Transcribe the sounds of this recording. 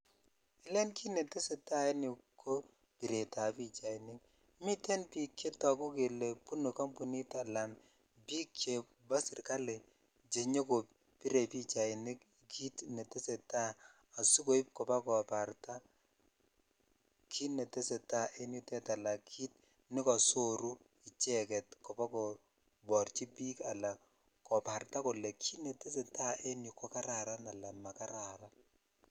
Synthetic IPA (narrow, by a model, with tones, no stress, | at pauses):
ɪ˦lɛ˦nkʰi˦ne˨te˦se˨ta˦e˦ni˨kʰo˦ | pi˨ɾe˨ta˨pi˦t͡ʃa˨i˨nɪ˦k̚ | mi˦tɛ˦npi˨kje˦tɔ˨ku˦ke˨le˨pu˦no˨kɔ˦mpu˨ni˦ta˨la˨m | bi˦kje˨ | ba˦sɪ˨rka˦le˨ | d͡ʒe˨ɲo˦ko˨ | pi˦ɾe˨pi˦t͡ʃa˨ɪ˨nɪ˦k | kʰi˦tnɛ˨te˦se˨taː˦˨ | su˦ko˨˦i˦p̚kɔ˨pa˦kɔ˨pa˨rta˦ | kʰi˦nɛ˨te˦se˨ta˦ʔe˦ni˦tɛ˦ta˨la˨kʰi˦t̚ | nɪ˦kɔ˨so˦ɾu˦ | i˨t͡ʃɛ˦kɛ˨tkɔ˨pa˦kɔ˨ | bɔ˨rt͡ʃi˦pi˦ka˨la˨ | kɔ˨pa˨rta˦ko˨lɛ˨kʰi˦ne˨te˦s̬e˨ta˦e˦ni˨kɔ˦ka˦ɾa˨ɾa˦na˨la˨ma˨ka˦ɾa˨ɾa˦